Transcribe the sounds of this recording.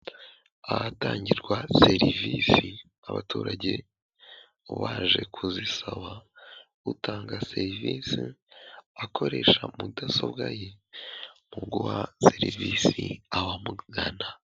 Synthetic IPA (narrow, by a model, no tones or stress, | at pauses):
ahataːɲɟiɾɡwaseɾiviːsi | aβatuːɾaɟe̞ | βaːʒe̞kʰuzisaβa | utaːŋɡase̞ɾiviːsi | akʰo̞ɾe̞ʃamudasobɡaje | muɡuwaseɾiviːsiawamuɡana